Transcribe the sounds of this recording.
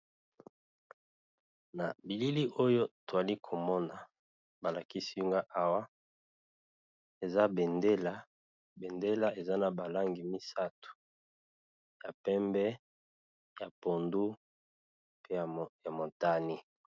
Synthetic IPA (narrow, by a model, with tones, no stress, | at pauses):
na˨bi˨li˦li˦ʔo˦jo˦to˨a˨li˦kʰo˨mɔ˦na˨ | ba˨la˨ki˦si˦u˦ŋɡa˦ʔa˦wa˦ | e˨za˦bɛ˨nde˦la˦ | be˨nde˦la˦e˨za˦na˨ba˨la˦ŋɡi˨mi˦sa˦tu̥˨ | ja˨pɛ˦mbɛ˦ | ja˨po˨ndu˦ | pe˦ja˨ja˨mo˨ta˦ni˦